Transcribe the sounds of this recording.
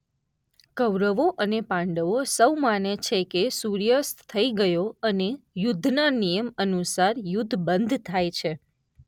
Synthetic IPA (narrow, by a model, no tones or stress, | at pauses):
kəʋɾəʋoʔənepãɳɖəʋosəwmanet͡ʃʰekesuɾjəst̪t̪ʰːəiɡəjoənejʊd̪ʱnanijəmənusaɾjud̪ʱːbənd̪ʱt̪ʰajt͡ʃʰe